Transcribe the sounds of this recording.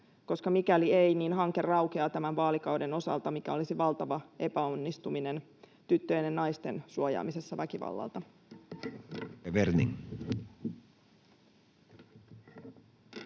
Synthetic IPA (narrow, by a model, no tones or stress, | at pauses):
ko̞skɑmikæliejniːnɦɑŋke̞rːɑwkeɑt̪æmænʋɑːlikɑwde̞no̞sɑ̰lt̪ɑmikæo̞lisiʋɑlt̪ɑʋɑe̞pæonːist̪umine̞n | t̪yt̪ːø̞jnennɑjst̪ensuojɑ̰ːmise̞sːɑʋækiʋɑ̰lːɑ̰lt̪ɑ | ɑʋeɾnḭŋ